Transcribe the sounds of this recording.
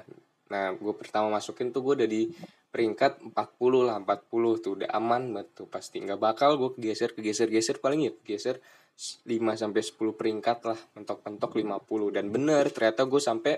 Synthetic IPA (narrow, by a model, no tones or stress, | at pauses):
nahɡuapərt̪amamasukɪnt̪uɡuadadi | pəɾiŋkat̪̚mpat̪̚pulʊhlahəmpat̪̚pulʊht̪uda̰ʔa̰manmət̪ːupast̪iŋɡabakalɡuakəɡɛsərkəɡɛsərɡɛsərpalɪŋjakəɡɛsər | limas̬ampɛsə̥puluhpəɾiŋkat̪̚lahpənt̪ɔk̚pənt̪ɔklimapulʊhdanbənərt̪ərɲat̪aɡuɛsampɛ